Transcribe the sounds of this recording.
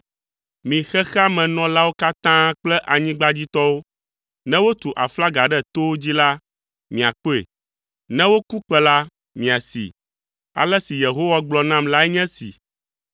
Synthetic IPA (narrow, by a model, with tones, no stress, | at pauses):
mĩ˨xɛ˦xa˦mɛ̃˨nɔ̃˦la˦wo˦ka˦t̪ã˦k͡plɛ˦ʔa˨ɲĩ˦ɡ͡ba˦d͡ʑi˦t̪ɔ˦wo˦ | nɛ̃˦wo˦t̪u˨ʔa̰˨fla˦ɡa˨ɖɛ˦t̪o˦wo˦d͡ʑi˦la˦ | mĩ˨a˨k͡po˦ḛ˨ | nɛ̃˦wo˦ku˦k͡pɛ˦la˦ | mĩ˨a˨sḭ˨ | a̰˨lɛ˦si˨je˨ɦo˦wa˦ɡ͡blɔ˨nã˦mla˦ɛ˦ɲɛ̃˦sḭ˨